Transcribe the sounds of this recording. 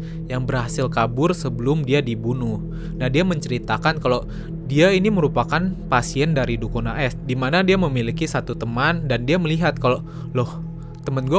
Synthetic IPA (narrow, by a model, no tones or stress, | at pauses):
jaŋbərhasɪlkabʊrsəbəlʊmdiadibunʊh | nahdiaməɲt͡ʃəɾit̪akankalo | diainiməɾupakanpasiɛndaɾidukonaʔɛsdimanadiaməmilikisat̪ut̪əmandandiaməliɦat̪̚kalo | lɔh | t̪əmanɡua